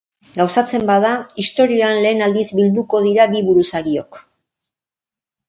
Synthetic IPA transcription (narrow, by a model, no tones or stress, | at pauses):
ɡawsat͡se̞mbaðaist̪o̞ɾio̞anle̞ːnald̪izbild̪uko̞ð̞iɾabiβuɾusaɣio̞k